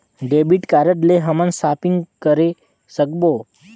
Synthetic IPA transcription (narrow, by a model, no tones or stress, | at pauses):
ɖebiʈkaɾəʈleɦəmənsaːpiŋɡkəɾe | səkbo